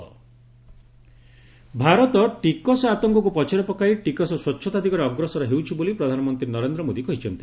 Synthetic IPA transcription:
bʱaɾɔt̪ɔʈikɔsɔat̪ɔŋkɔk̬upɔt͡ʃʰaɾɔpɔkaiʈikɔsɔswɔtːʃʰɔt̪ad̪ʱikɔɾeɔɡɾɔsɔɾɔɦewt͡ʃʰibolipɾɔd̪ʱanɔmɔnt̪ɾinɔɾend̪ɾɔmod̪ikɔɦit͡ʃʰɔnt̪i̥

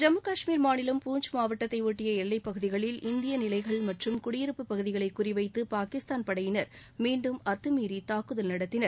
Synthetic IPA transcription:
d͡ʒɐmɐkaːʂmiːɾmaːnɪlɐmpuːɲd͡ʒmaːʋɐʈːɐt̪ːɐɪoːʈːɪjɐɛɭːɐɪpːɐɣɯðɪɣɐɭɪlʔɪnd̪ɪjɐnɪlɐɪɣɐɭmɐʈrɯmkʊɽɪjɪɾɯpːɯpːɐɣɯðɪɣɐɭɐɪkːʊrɪʋɐɪt̪ːɯpaːkɪst̪aːnpɐɽɐjɪnɐɾ | miːɳɖɯmɐt̪ːɯmiːɾit̪aːkɯðɐlnɐɽɐt̪ːɪnɐɾ

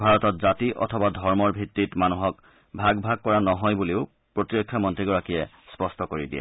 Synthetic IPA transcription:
bʱaɹɔtɔtzatiʔɔ̰tʰɔbadʱɔɹmɔɹbʱitːitmanuɦɔk | bʱaɡbʱaɡ̚kɔɹanɔɦɔjbuleʊ | pɹotiɹɔkʰːjamɔntɹiɡɔɹakijɛ | spɔstɔkoɹidiɛ̰

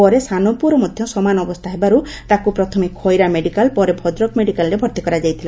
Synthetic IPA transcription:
pɔɾesanɔpuɾɔmɔd̪ʱjɔsɔmanɔbɔst̪ʰaɦebaɾu | t̪akupɾɔt̪ʰɔmekʰːɔjɾameɖikalpɔɾebʱɔd̪ɾɔkmeɖikalɾebʱɔɾt̪ikɔɾad͡ʒajt̪ʰila

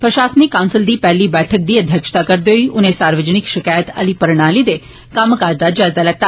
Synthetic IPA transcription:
pɾəʃasnikãʊ̃nsɪld̪ipɛɦlibɛʈʰək̚d̪iːəd̪ʱjəkʃə̥t̪akəɾd̪oiʔʊnesaɾʋəd͡ʒnɪkʃɪkaːjət̪ə̰lipəɾɽ̃alid̪e | kaːməkaɾd̪ad͡ʒat̪alak̚t̪a

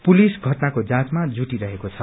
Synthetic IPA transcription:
pulisɡʱʌʈnakod͡zãt͡smad͡zuʈiɾʌɦekot͡sʰʌ

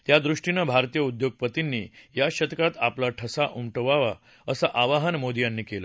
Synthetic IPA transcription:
t̪jad̪ɾuʂʈinəbʱaɾt̪ijəud̪joɡ̚pət̪inːijaɕət̪kat̪aplaʈʰəsaʔumʈəʋaʋa̰ | əsaʔaʋaɦənmod̪ijanːiːkelə

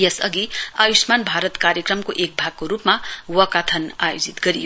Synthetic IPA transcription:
jesʌ̰ɡiajusmanbʱaɾʌt̪kaɾjʌkrʌmkoʔek̚bʱaɡ̚koɾupmawʌkat̪ʰʌnajod͡zit̪ɡʌɾijo

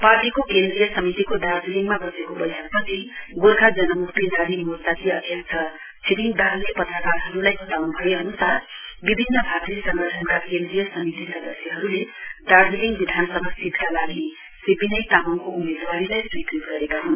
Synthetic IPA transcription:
parʈikokend̪rijʌsʌmit̪ikoɖard͡ziliŋɡmabʌsekobʌjsak̚pʌt͡sʰiɡolkad͡zʌnʌmukt̪inad̪imut̪at̪iʌd̪ʱjʌk̚t͡sʰʌ | t͡sʰiɾiŋɡd̪aɾlepʌt̪rʌkarɦʌɾulajɦut̪awnubʱʌjoʌnusaɾbibʱinːʌbʱat̪risʌŋɡʌʈʰʌnkakẽnd̪rijʌsʌmit̪isʌd̪ʌsjʌɦʌɾuleɖard͡ziliŋɡbid̪ʱanʌsʌbʱasid̪kalaɡi | sipinʌjt̪amʌnkoumed̪waɾilajswiknitɡʌɾekaɦon

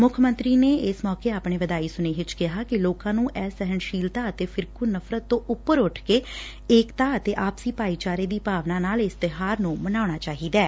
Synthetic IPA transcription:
mʊkʰmə̃nt̪ɾiːneːɪsmɔːkeːaːpɳeːʋəd̪aːiːsʊneːɦɪt͡ʃkɪɦaːkɪloːkãːnũːʔɛːsəɦənʃiːlt̪aːət̪eːpʰɪɾkuːnəpʰɾət̪ːõːʔʊpːəɾʊʈʰkeː | eːkt̪aːət̪eːʔaːpsiːpaːiːt͡ʃaːɾeːd̪iːpaːʋnãːnaːlɪst̪ɪɦaːɾnũːmənaːnaːt͡ʃaːɦiːd̪ɛː

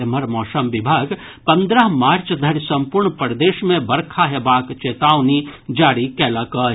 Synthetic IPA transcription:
məɾmɔːsəmʋɪbʱaːɡ | pə̃nd̪ɾəɦmaːɾt͡ʃd̪ʱəɾsə̃mpuɾɳpɾd̪eːʃmẽbəɾkʰaɦebaːkt͡ʃeːt̪aːwnid͡ʒaːɾikɛːlakə

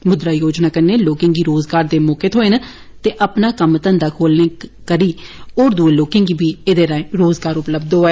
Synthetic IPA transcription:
mʊd̪ɾaːjoːd͡ʒnaːkəɾneːloːkɪ̃ŋɡiːɾoːzɡaːɾd̪eːmoːket̪ʰoːenaː | t̪eːʔəpnaːkəmt̪ənd̪aːkʰoːlneːkəɾiːoːɾd̪uːeːloːkɪ̃ŋɡiːbʱiːeːd̪eːɾãːẽɾoːzɡaːɾʊpləb̚d̪ɦoːɛː

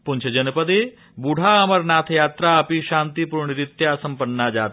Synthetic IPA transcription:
punt͡ʃʰɐd͡ʒɐnpəd̪e | buɽ̤ʱaɐmɐɾnaːt̪ʰjaːt̪ɾaɐpiʃaːnt̪ipuɾɳiɾit̪jasɐmpɐnːad͡ʒaːt̪

